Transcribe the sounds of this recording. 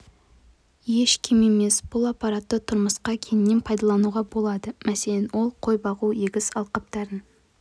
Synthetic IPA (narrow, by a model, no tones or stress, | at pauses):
je̞ʃkʲʰɪme̞me̞sb̥ʊlˠɑpːɑɾɑt̪ːət̪ʰʊɾməsqɑkʲʰenɪnːe̞npʰɑjd̪ɑlˠɑnuʁɑbo̞lˠɑd̪əmæse̞lenwo̞lˠqʰo̞jbɑʁujeɡʲɪsɑlˠqəp̚t̪ɑɾən